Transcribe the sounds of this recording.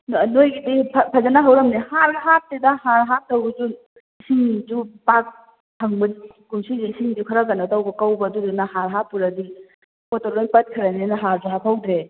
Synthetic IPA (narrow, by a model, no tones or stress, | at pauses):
nnojɡidipʰpʰɐzanaɦawɾɐmnihaɾɡɐɦap̚tedahaɾɦap̚tɐwbɐd͡ʒu | isiŋd͡ʒupak̚ | hʰɐŋbɐdi | kumsid͡ʒiisiŋidukʰɐɾaɡanatawbɐkawbɐdudunahaɾɦapːuɾadi | kotoɾonpɐt̚kʰɐɾanenɐɦaɾzuɦapʰawdɾe